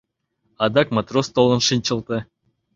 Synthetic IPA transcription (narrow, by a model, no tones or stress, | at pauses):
ɑd̪ɑkmat̪rost̪olˠɤ̆nʂɨnʲt͡ɕɤ̆lˠt̪ɤ